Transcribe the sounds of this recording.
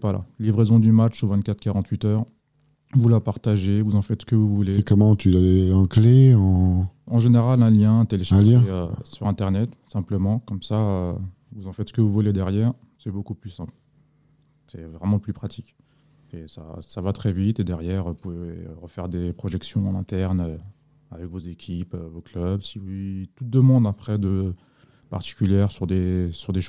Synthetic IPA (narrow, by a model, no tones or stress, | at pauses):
vwala̰livʁezɔ̃d̪ymat͡ʃovɛ̃t̪̚kat̪χkaʁɑ̃t̪ɥit̪œːʁ | vulapaʁt̪aʒevuzɑ̃fɛt̪sə̥kəvuvuleɛkɔmɑ̃t̪yaleɑ̃kleɑ̃ɑ̃ʒeneʁalɛ̃ljɛ̃t̪eleʃɛ̃ljɛ̃øsyʁɛ̃t̪ɛʁnɛt̪sɛ̃pləmɑ̃kɔmsaø | vuzɑ̃fɛt̪sə̥kəvuvuled̪ɛʁjɛːʁ | sɛbokuplysɛ̃pl | sɛvʁɛmɑ̃plypχat̪ʰikʲ | esa̰savat̪χɛvit̪ed̪ɛʁjɛʁpuveʁəfɛʁd̪epχɔʒɛksjɔ̃ɑ̃nɛ̃t̪ɛʁnø | avɛkvozekʲʰipøvoklœbsivut̪ut̪̚d̪əmɑ̃d̪apχɛd̪ə | pa̰ʁt̪i̥kʲyljɛʁsyʁd̪esyʁd̪eʃ